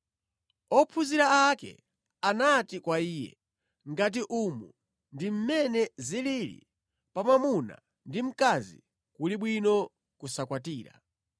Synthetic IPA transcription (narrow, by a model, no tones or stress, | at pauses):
ɔpʰuziɾaakɛ̰ | anatikwaiːjɛ̰ | ŋɡat̬iʔumu | ndim̩mɛnɛzililḭ | pamamuna̰ | ndim̩kazḭ | kuliɓwinɔ | kusakwatiːɾa̰